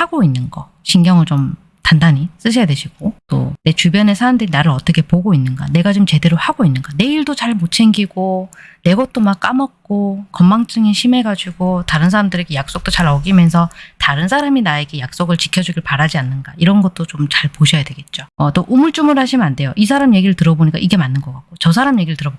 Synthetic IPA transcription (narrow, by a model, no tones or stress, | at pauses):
haɡoinːɯnɡʌ | ɕʰiŋɡjʌŋɯɭt͡ɕom | tandaɲis͈ɯɕ̬ʰʌjadwe̞ɕʰiɡ̥ot͈o̰ne̞t͡ɕubjʌne̞sʰaɾamdɯɾinaɾɯɾʌt͈ʌkʰe̞poɡoinːɯnɡa̰ne̞ɡat͡ɕomt͡ɕe̞de̞ɾohaɡoinːɯnɡane̞iɭdot͡ɕaɭmot͡ɕʰe̞ŋɡiɡone̞ɡʌt̚t͈omak͈amʌt̚k͈okʌmːaŋt͡ɕ͈ʰɯŋiɕʰime̞ɡad͡ʑuɡotaɾɯnsʰaɾamdɯɾe̞ɡe̞jak̚s͈ok̚t͈ot͡ɕaɾʌɡimjʌns̬ʰʌtaɾɯns̬ʰaɾaminae̞ɡe̞jak̚s͈oɡɯɭt͡ɕi̥kʰjʌd͡ʑuɡiɭpaɾad͡ʑianːɯnɡaiɾʌnɡʌt̚t͈ot͡ɕomt͡ɕaɭpoɕʰʌjadwe̞ɡe̞t̚t͡ɕ͈oʌt͈oʔumuɭt͡ɕ͈umɯɭɦaɕʰimɯnande̞joʔis̬ʰaɾamije̞ɡiɾɯɭtɯɾʌboɲik͈a̰ʔiɡe̞manːɯnɡʌk͈ak̚k͈ot͡ɕʌsʰaɾamije̞ɡiɾɯɭtɯɾʌb